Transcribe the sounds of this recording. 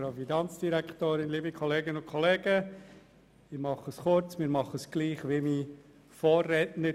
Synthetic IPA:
ɾaʊfinɑnt͡sd̥iɾækχtoːɾɪnlibikʰɔleːɡənʊnkʰχɔleːɡ̥ə | ɪmɑχəsχʊɾt͡smɪːɾmɑχəsɡ̥liːχʋɪmi | fɔːrɛtnə

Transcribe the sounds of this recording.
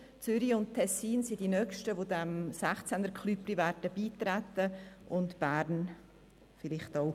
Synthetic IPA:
t͡sʏɾiʊnttʰːɛsiːnsid̥inœkʃtəvodɛmsæχt͡sɛnəɾkʰlypɾivæɾdəb̥iːtɾɛt̪əʔʊntb̥æɾn | fɪlɪχtɔʊ

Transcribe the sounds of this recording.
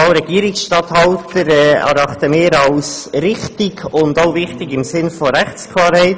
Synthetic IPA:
ɑɾɛɡ̥iːɾɪksʃtɑthɑwtəɾɛæ̰ɾɑχtəmɪːɾɑlsrɪχtɪɡʊndoʊvɪχtɪɡɪmsɪnfoɾæχt͡skʰlɑːɾhɛɪt

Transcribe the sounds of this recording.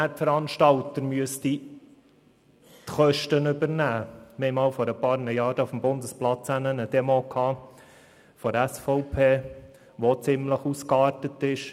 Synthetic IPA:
ætfəɾɑnʃtɑlt̪əɾmyəsti | tχœʃtənʏbəɾnæːmɪhɛɪmɑːlfɔɾəpɑːɾnəjɑːd̥əufm̩bʊnd̪əsplɑt͡sænənəd̥ɛmokʰhɑː | fɔɾæsfɔʊpʰeː | ʋot͡sɪmləχuskɑːɾtətɪʃ

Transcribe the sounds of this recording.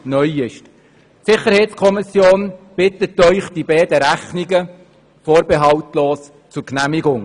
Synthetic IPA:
nœʏɪʃ | sɪχəɾhɛɪt̪skʰɔmɪsjoːnb̥ɪt̪ətːœʏχtd̥ibɛːd̪əɾæχniɡə | foːɾbeɦɑwt̪loːs | t͡sʊɾknæmɪɡʊŋ

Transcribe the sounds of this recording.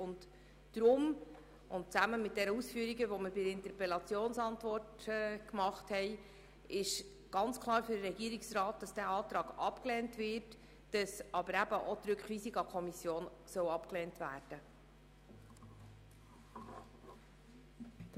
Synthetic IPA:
ʊnt | d̥ɾʊm | ʊnt̚t͡sæməmɪt̚d̥ɛnəusfyːəɾiɡəvɔməɾbɪəɪntəɾpɛlɑt͡sjoːnsɑntvɔrtːkmɑχthɛɪ | ɪʃ | ɡ̥ɑnt͡skʰlˠɑːɾfʏdəɾɛɡiəɾiksrɑːt̚d̥ɑsd̥æːɑːt̪ɾɑːɡɑ̰pklɛːntvɪɾt | d̥ɑsɑbəɾæbəʔot̪ɾʏkχvisiɡɑkʰɔmisjoːnsœwɑpklɛːntvæːrd̥ə

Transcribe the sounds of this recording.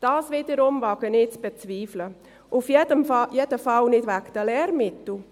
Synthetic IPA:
d̥ɑːsviːdəɾʊmvɑɡənɪt͡sb̥ɛt͡sviːflə | ʔufjɛdəmjɛdəfɑlnɪdvækd̥əlɛːɾmɪtl̩

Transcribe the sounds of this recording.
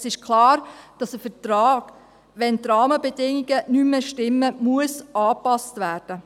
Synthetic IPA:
sɪʃkʰlɑːɾd̥ɑsəfətɾɑːɡ̥ | ʋɛntrɑːməbɛdɪŋiɡənyməʃtɪmːəmuəsʔɑːpɑstʋæːɾd̥ə

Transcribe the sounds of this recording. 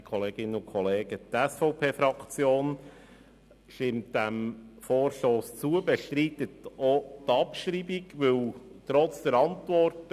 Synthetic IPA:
kʰɔleːɡɪnəʊkʰɔleːɡ̥ət̪ɛsfɔʊpʰeːfɾɑkt͡sjoːn | ʃtɪmt̚d̥æmfoːrʃtoːst͡suəbɛʃtɾiːt̪ːətot̪ɑpʃɾiːbiɡʋɵwtɾɔt͡sd̥̪əɾɑntʋɔrt

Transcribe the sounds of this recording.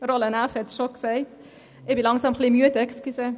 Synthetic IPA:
rolənæfhɛtsʃoksɛɪt | ʔɪbilɑŋsɑmχlimyətɛkskysə

